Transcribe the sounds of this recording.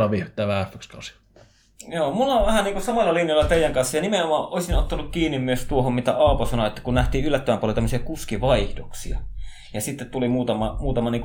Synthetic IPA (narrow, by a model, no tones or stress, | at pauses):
ɑʋiht̪ˑːæʋææfːøkst̪ɑsi | joːmulɑʋæhænniːŋkusɑmɑlːɑlinjɑˑlːɑt̪eˑijˑæŋkɑnsːɑjɑnimeomˑɑʔʔoˑesinot̪ːɑnukkiːnːimmyøst̪uohommit̪æɑˑoposɑnoet̪ːækunnæht̪ˑiːʔʔylːæt̪ːøʋæmpuɑlot̪æmːøsiɑkuskiʋɑihdoksiɑ̰ | jɑsit̪ːet̪t̪ulimuːt̪ɑmɑmuːt̪ɑmɑniːŋku